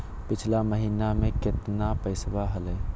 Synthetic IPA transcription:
pɪt͡ʃʰlaməɦiːnamẽkɪt̪napəɪswaɦəlɛː

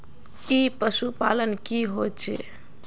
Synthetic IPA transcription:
ipəsupalənkiɦot͡ʃʰḛ

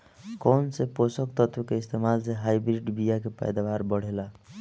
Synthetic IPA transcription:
kɔnseposək̚t̪ət̪wəkeist̪emalseɦajbɾiɖbijakepa̰jd̪abaɾbəɽ̤ela

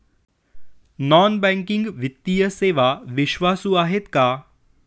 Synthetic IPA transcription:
nɔːnbɛ̃ŋkɪ̃ŋɡʋɪt̪ːijəseːʋaʋɪʃʋaːsuaːɦet̪kaː

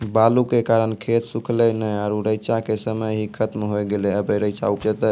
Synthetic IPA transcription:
balukekaɾənkʰet̪sukʰlɛnəjaɾuɾəjt͡ʃakesəməjɦikʰət̪mɦojɡelɛəbəɾəɪt͡ʃa̰upd͡ʒət̪ɛ

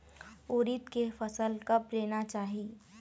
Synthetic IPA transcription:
oːɾɪt̪kefɐsəlkɐpɾeːnat͡ʃaːɦieː

